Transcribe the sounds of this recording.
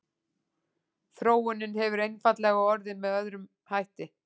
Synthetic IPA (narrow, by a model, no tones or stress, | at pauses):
θɾoːwʏnɪnhɛvʏɾejnfat̪lɛɣaɔɾðɪnmɛðœðɾʏm | hajht̪ɪ